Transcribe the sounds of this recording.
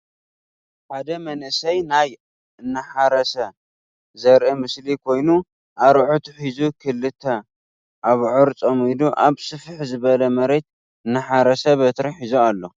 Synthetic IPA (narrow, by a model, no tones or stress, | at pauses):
ħad̪ɐmɐnɨsɐjnaj | ɨnːɐħaɾɐsɐ | zɐɾʔimɨslikʰo̞jnu | ʔaɾʕut̪uħizukʰɨlːɨt̪ʰːɐ | ʔaβʕʊɾt͡sʼomid̪uʔaβsɨfħzɨβɐlɐmɐɾet̪̚ | ɨnːɨħaɾɐsɐβɐt̪ɾɐħizoalːo̞